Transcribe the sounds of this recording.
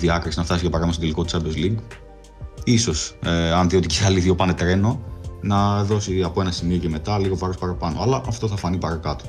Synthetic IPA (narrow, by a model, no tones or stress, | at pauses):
ðiɐkɾisinɐft̪ɐsiʝɐpɐɾɐmst̪od̪eliko̞t̪u̥t͡sɐbezliŋɡ | iso̞seɐnðio̞t̪iceɐliθio̞pɐne̞t̪ɾe̞no̞nɐðo̞siɐpo̞e̞nɐsimio̞ce̞me̞t̪ɐliɣo̞vɐɾo̞spɐɾɐpɐnoɐlɐʔɐft̪o̞θɐfɐnipɐɾɐkɐt̪o̥